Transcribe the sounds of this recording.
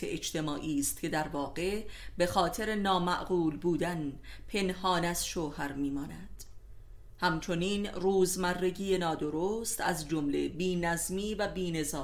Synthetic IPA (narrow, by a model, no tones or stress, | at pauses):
eʔed͡ʒt̪ʰe̞mɒːʔiːst̪̚cʰe̞d̪æɾvɒːɣe̞be̞xɒːt̪ʰe̞ɾe̞nɒːmæʔɡuːlbuːd̪ænpʰe̞nhɒːnæz̥ʃoːhæɾmiːmɒːnæd̪̥ | hæmt͡ʃʰo̞niːnruːzmærːe̞ɟiːje̞nɒːd̪o̞ɾost̪æzd͡ʒomle̞biːnæzmiːvæbiːne̞zɒː